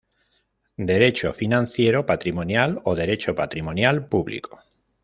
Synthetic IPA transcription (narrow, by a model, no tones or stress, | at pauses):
d̪eɾet͡ʃofinãn̟θjeɾopat̪ɾimonjaloðeɾet͡ʃopat̪ɾimõnjalpuβlḭko̥